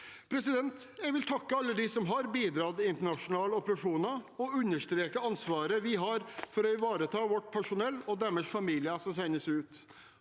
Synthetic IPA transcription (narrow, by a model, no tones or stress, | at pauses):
pʰɾɛsɪd̪ɛnt̪ | jɛɪɡʋɪlt̪ʰɑkːəɑlːəd̪ɪsɔmɦɑɾbiːd̪ɾɑːd̪ɪɪnt̪əɳɑʂʊnɑːləɔpəɾɑʂuːnɑɔʉnːəʂt̪ɾeːkəɑnsʋɑːɾəʋɪɦɑɾfɔɾɔɪʋɑːɾət̪ʰɑːʋɔʈːpʰæʂʊnɛlːɔd̪æmɛʂfɑmiːlɪəsɔmsæɪnəsʉːt̪